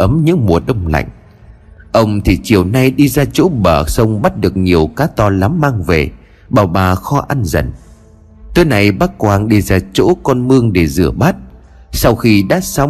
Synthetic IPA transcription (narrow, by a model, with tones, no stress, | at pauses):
ʔə˨˦mɲɨ̰˧˥ŋmu˨˩əɗə˧wŋ͡mla̰˧˨jŋ̟ | ʔə˧wŋ͡mt̪ʰi˨˩t͡ɕi˨˩əwna˧jɗi˧zaː˧t͡ɕo̰˧˥ɓəː˧˩sə˧wŋ͡mɓa˦˥t̚ɗɨ˨˩ək̚ɲi˨˩əwkaː˨˦t̪ɔ˧la˨˦mːaː˧ŋve˨˩ | ɓaː˨˩wɓaː˨˩xɔ˧ʔa˧nzə̰˧˩n | t̪oː˨˦jna˨˩jɓaː˦˥t̚kwaː˧nɗi˧zaː˧t͡ɕo̰˧˥kɔ˧nmɨ˧əŋɗe˧˩zɨ̰˧˩əɓaː˦˥t̚ | sa˧wxi˧ɗa̰ː˧˦˥sa˧w